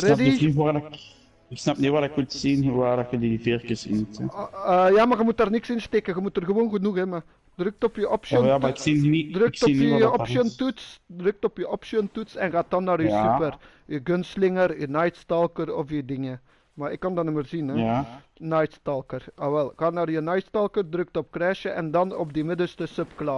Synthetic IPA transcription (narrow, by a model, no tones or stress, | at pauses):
rɛdiiak | ɪksnɑpniʋaɾɪkʋultsinɦuʋaːdxədidivɪrkəsɪ̰nutɛəjaːmaːɣəmut̚daːrnɪksɪnstekəɣəmutərɣəʋoːnɣənuxɛma | drʏk̚tɔpjəʔɔpsjamaɪksiidrøkksɔinəɔpsɔntutsdrɵk̚tɔpjəʔɔpʃɔntutsɛnɣaːt̚ɑnːaːɾysypər | əɡɵnslɪŋəɾynajtstɑlˠkərɔfjədɪŋə | maɪkːɑndɑnəməːrzinɛ | nɑjtstɑlˠkərɑʋɛlˠɣaːnaːrjənajtstɑlˠkərdrɵk̚tɔpkrɛːʃəʔɛ̰ndɑnɔbdimɪdəlstəsœpklɑ